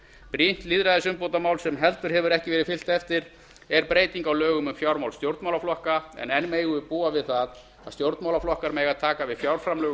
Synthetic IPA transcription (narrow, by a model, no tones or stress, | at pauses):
pɾin̥t̪liðɾaðɪsʏmpowt̪amaːwlsɛmɦɛlt̪ʏɾ̥hɛvʏɾɛhcɪvɛːɾɪðfɪl̥t̪ɛft̪ɪɾ | ɛɾpɾeːjt̪iŋkawlœːɣʏmʏmfjawɾmawlst̪jowɾt̪mawlaflɔhkaɛ̰nɛnːmejɣʏpuːavɪðθað | a̰ðst̪jowɾt̪mawlaflɔhkaɾmɛɣaðt̪ʰaːkavɪðfjawɾfɾamlœːɣ